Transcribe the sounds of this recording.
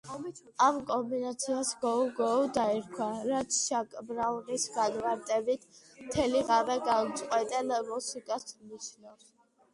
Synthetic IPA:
amkʼɔmbinat̪sʰiasɡɔɡɔud̪aiɾkʰwaɾat̪sʰʃakʼbɾavnisɡanmaɾt̪ʼɛbit̪ʰ | mt̪ʰɛliʁavɛɡant̪sʼqʼwɛt̪ʼɛnmusikʼasmniʃnavs

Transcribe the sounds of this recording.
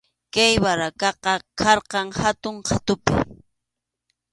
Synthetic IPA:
kajwaɾakɑqɑkʰɑɾqɑŋhat̪ʊɴqʰat̪ʊpɪ̰

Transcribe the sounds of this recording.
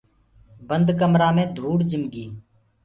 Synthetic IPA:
bənd̪kəmɾãːmẽːd̪ʱuːɽd͡ʒɪmɡiː

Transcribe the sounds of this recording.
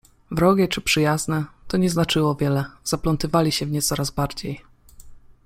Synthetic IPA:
vɾɔɡʲɛt͡ʂɘpʂɘjaznɛt̪ɔɲɛznat͡ʂɘwɔvʲjɛlɛz̥aplɔnt̪ɘvalʲiɕɛvɲɛtsɔɾazbaɾd͡ʑej

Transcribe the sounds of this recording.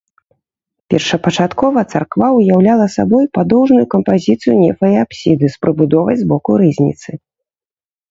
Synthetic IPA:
pʲɛrʂɐpɐt͡ʂat̪kɔvɐt̪sarkvaujawlʲalˠɐsabɔjpad̪ɔwʐnujukɐmpazʲit̪sɨjunʲɛfɐiapsʲid̪ɨspɾɨbud̪ɔvɐjʲzbɔkuɾɨzʲnʲḭt̪sɨ

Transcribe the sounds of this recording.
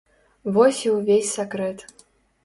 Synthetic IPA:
vɔsʲiwvʲesʲsakɾɛt̪

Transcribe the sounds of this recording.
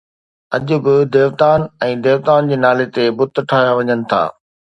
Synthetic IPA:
ɐʄʊ̆bɪd̪eːʋt̪aːnɛ̃ːd̪eːʋt̪aːnd͡ʑeːnaːlet̪ebʊt̪ʈʰaːɦjaʋɐɲənɪ̆t̪ʰa̰ː

